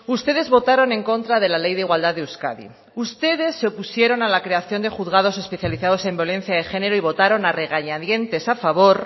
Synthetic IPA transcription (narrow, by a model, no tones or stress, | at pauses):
ust̪e̞ð̞e̞zβo̞t̪aɾo̞nẽ̞ŋko̞nt̪ɾaðe̞lale̞jðeiɣwald̪aðeuska̰ðḭ | ust̪e̞ðe̞sːeopusje̞ɾo̞nalakɾe̞aθjo̞nd̪e̞xuðɣað̞o̞se̞spe̞θjaliθað̞o̞se̞mbjo̞lẽ̞n̟θjaðexe̞ne̞ɾo̞iβ̞o̞t̪aɾo̞nare̞ɣ̞aɲaðje̞nt̪e̞safaβ̞o̞ɾ